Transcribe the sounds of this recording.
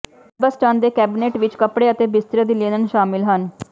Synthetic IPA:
bəsʈãːnd̪eːkɛːbɪneːʈʋɪt͡ʃkəpɽeːət̪eːbɪst̪ɾed̪ileːnənʃaːmɪlɦən

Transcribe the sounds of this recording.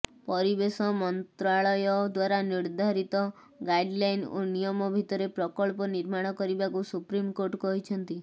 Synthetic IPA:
pɔɾibesɔmɔnt̪ɾaɭɔjɔd̪waɾaniɾd̪ʱaɾit̪ɔ | ɡajɖlajnonijɔmɔbʱit̪ɔɾepɾɔkɔɭpɔniɾmaɽ̃ɔkɔɾibakusupɾimkoɾʈkɔɦit͡ʃʰɔnt̪i

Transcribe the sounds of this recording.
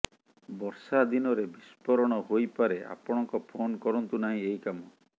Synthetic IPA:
bɔɾsad̪inɔɾebispɔɾɔɽ̃ɔɦojpaɾea̰pɔɽ̃ɔŋkɔpʰonkɔɾɔnt̪unaɦĩeikamɔ

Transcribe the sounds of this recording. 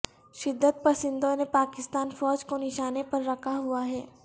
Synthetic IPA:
ʃɪd̪ʱːət̪̚pɐsɪnd̪ʱõnepaːkɪst̪aːnfɔːd͡ʒkonɪʃaːnepɐɾːɐkʰaɦuaɦɛː

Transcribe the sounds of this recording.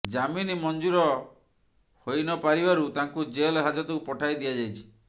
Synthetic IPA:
d͡ʒaminimɔnd͡ʒuɾɔ | hojnɔpaɾibaɾut̪aŋkud͡ʒelɦad͡ʒɔt̪ɔkupɔʈʰajd̪iad͡ʒajt͡ʃʰi̥

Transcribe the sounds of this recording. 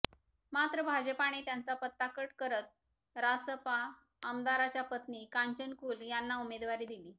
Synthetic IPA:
mat̪ɾəbʱad͡ʑəpaɽ̃iːt̪jant͡sapət̪ːakəʈkəɾət̪̚ | ɾasəpaː | md̪aɾat͡ɕjapət̪niːkaɲt͡ɕənkuːljanːaumed̪ʋaɾiːd̪iliː

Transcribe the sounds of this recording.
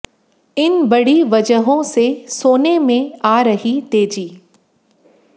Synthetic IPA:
ɪnbɐɽ̤iʋɐd͡ʒəɦõsesoːnemẽaːɾɐɦit̪eːd͡ʑiː

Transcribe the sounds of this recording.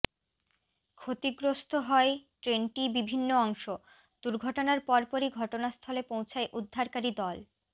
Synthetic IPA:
kʰot̪iɡɾost̪ʰoɦɔeʈɾenʈibibʱinːoɔŋʃo | d̪̥uɾɡʱɔʈonaɾpɔɾpɔɾiɡʱɔʈonast̪ʰɔlepowt͡ɕʰaeʔud̪ʱːaɾkaɾid̪ɔl

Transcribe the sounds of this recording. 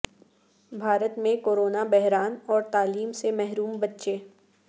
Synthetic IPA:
bʱaːɾət̪mẽkoːɾoːnabɛɦɾaːnɔːɾt̪aːliːmsemɛɦɾuːmbɐtːʃeː

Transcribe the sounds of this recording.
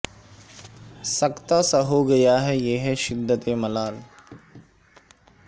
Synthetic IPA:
sɐkt̪asaɦoɡɐjaɦɛjeːɦɛʃɪd̪ʱːət̪emɐlaːl

